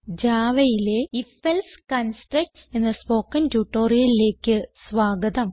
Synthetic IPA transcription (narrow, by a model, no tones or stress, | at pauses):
d͡ʑaːʋɐjile̞ifelskɐnsʈrɐk̚ʈse̞nːɐspo̞ːkːɐntuːʈːoːrijɐlile̞ːkʲːɨsʋaːɡɐd̪ɐm